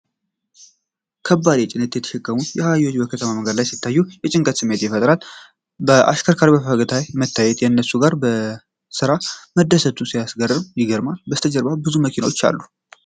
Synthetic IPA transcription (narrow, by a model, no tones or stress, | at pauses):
kʰəbːad̪et͡ʃʼɪnɨt̪jɛt̪ʰːə̥ʃɨkʼːəmut̪jɛhajo̞t͡ʃːbəkʰət̪ʰəmaməŋɡəd̪lajsit̪ːajːujɛt͡ʃʼɪŋkʼət̪sɨmːe̞t̪jɛfət̪ʼɾal | bəʔa̰ʃkʰəɾkʰaɾbəfəɡət̪ʰajmət̪ːajːɛt̪jɛnːəsuɡaɾbə | sɨɾaməd̪ːəsət̪ʰːusijasɡərːɨmjɪɡəɾmalbəst̪ʰəd͡ʒəɾbabɨzuməkʰinawo̞t͡ʃːa̰lːu